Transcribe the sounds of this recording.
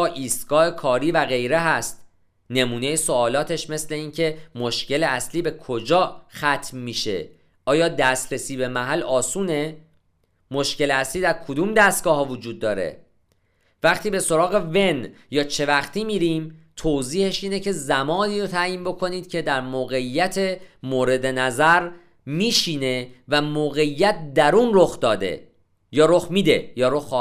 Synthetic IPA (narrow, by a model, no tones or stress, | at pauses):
ɒːʔiːst̪ɡ̥ɒːhe̞kʰɒːɾiːvæɣe̞jɾe̞ɦæst̪ | ne̞muːne̞jesoɒːlɒːt̪ʰe̞ʃme̞sle̞iːncʰe̞moʃce̞le̞æsliːbe̞kʰo̞d͡ʒɒːxæt̪ʰmːiːʃḛ | ʔɒːjɒːd̪æst̪ɾesiːbe̞mæɦælɒːsuːne̞ | moʃce̞leæsliːd̪æɾkʰod̪uːmd̪æst̪̚ɡ̥ɒːɦɒːvod͡ʒuːd̪̚ːɒːɾḛ | væχt̪ʰiːbe̞so̞ɾɒːɣe̞ve̞njɒːt͡ʃʰe̞væχt̪ʰiːmiːɾiːmt̪ʰoziːhe̞ʃiːne̞cʰe̞zæmɒːniːɾot̪ʰæjiːnbo̞kʰo̞niːd̪̥cʰe̞d̪æɾmoːɣe̞ijːæt̪ʰe̞moːɾe̞d̪e̞næzæɾ | miːʃiːne̞væmoːɣe̞ijːæt̪̚ʰd̪æɾuːnroxd̪ɒːd̪e̞̰ | jɒːɾoxmiːd̪e̞jɒːɾoxɒ